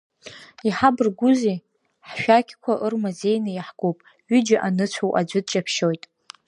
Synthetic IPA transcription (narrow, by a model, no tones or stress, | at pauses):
iħabɨrɡʷʊzi | ħʃᶣakʲʰkʷʰaʔɨrmaze̞jnɨjaħɡ̥opʼ | ɥid͡ʒaʔanɨt͡ɕʷʰawʔa̰d͡ʒʷɨd̚t͡ʃʼapʰʃojtʼ